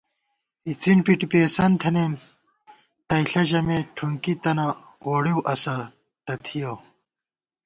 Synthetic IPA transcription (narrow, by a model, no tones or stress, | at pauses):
it͡sinpiʈipeːsɐnt̪ʰɐnem | t̪ɐjɬɐʑɐmeʈʰuŋkit̪ɐnɐ | oːɽiwʔɐsɐ | t̪ɐt̪ʰijoː